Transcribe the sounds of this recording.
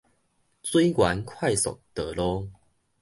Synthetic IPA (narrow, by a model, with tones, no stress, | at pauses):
t͡swi˦jkwa˨˦nkʰwa˥˨jsɔ̰˨˩k̚t̪əː˨˩lɔ˦